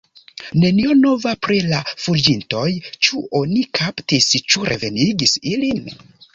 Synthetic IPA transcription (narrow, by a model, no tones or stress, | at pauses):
ne̞nio̞no̞vapɾilafud͡ʒinto̞jt͡ʃuʔonikʰaptist͡ʃuɾʔe̞̰ve̞niɡisilin